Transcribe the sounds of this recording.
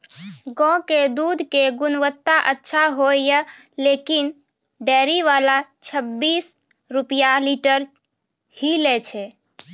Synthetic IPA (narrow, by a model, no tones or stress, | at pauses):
ɡɔ̃ked̪ud̪ʱkeɡunʋət̪ːaʔətːʃʰaɦojə | lekin | ɖɛɾiʋalat͡ʃʰəbːiːs | ɾupijaliʈəɾ | hilet͡ʃʰɛ